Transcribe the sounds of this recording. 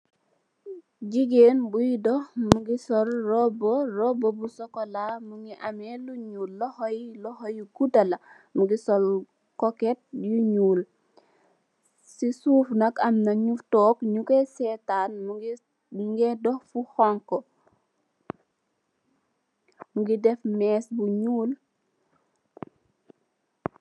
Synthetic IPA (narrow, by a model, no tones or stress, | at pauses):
d͡ʒiɡeːnbujidɔhmuɡisɔɾrɔbɔrɔbɔbusɔkɔlamuŋɡiʔameluɲuːlːɔhojilɔhojikudala | muɡisɔl | kɔket̚juɲuːl | sisuːfnɐkɐmnɐɲuftɔːkɲukesɛːtanm | ŋɡɛdɔhfuhɔŋkɔ | muɡidɛfmɛːsbuɲuːl